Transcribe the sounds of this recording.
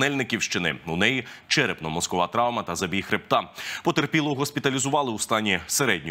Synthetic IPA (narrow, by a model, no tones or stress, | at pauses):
nɛlʲnɪkʲiwʃt͡ʃɪnɪ̰unɛjit͡ʃɛɾepnɔmɔskɔʋɑt̪ɾɑwmɐt̪ɐzɐbʲixɾɪp̚t̪ɑpɔt̪erpʲilˠɔɦɔsʲpʲɪt̪ɐlʲizʊʋɑlˠɪwʊst̪ɑnʲiseɾɛdʲnʲi